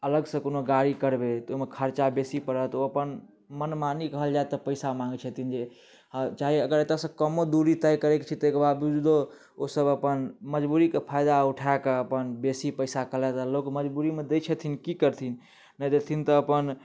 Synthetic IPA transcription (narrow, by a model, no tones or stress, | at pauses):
ələɡsə̃konoɡaɽikəɾbet̪omekʰəɾt͡ʃabesipəɾət̪oəpən | mənmanikəɦəld͡ʒaet̪ːəpəɪsamãŋɡt͡ʃʰət̪ʰind͡ʒe | t͡ʃaɦiəɡəɾet̪asəbkəmod̪uɾit̪əjkəɾɛkt͡ʃʰit̪ɔekbad̪bud͡ʒd̪o | osəbəpənməd͡ʒbuɾikepʰajd̪auʈʰaekeəpənbesipəɪsakəlɛt̪alokməd͡ʒbuɾimed̪et͡ʃʰət̪ʰinkikəɾt̪ʰin | nəjd̪et̪ʰint̪ɔːpən